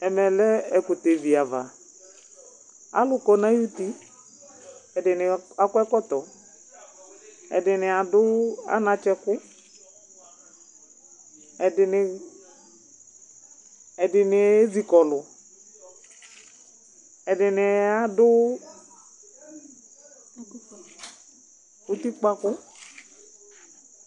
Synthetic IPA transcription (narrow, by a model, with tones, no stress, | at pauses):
ɛ˨mɛ˨lɛ˦ɛ˨kʊ˨te˨vi˨a˨va̰˨ | a̰˦lʊ˨kɔ˨na˦ju˦ti˦ | ɛ˨dɪ˨nɪ˨a˦kwɛ˦kɔ˦tɔ˨ | ɛ̰˨dɪ˨nɪ˨a˨dʊ˦a̰˦na˨t͡ʃɛ˦kʊ˦ | ɛ˨dɪ˨nɪ˨ | ɛ˨dɪ˨nɪ˨e˦zi˨kɔ˨lʊ˨ | ɛ˨dɪ˨nɪ˨a˦dʊ˦ | u˦ti˦k͡pa˦kʊ˦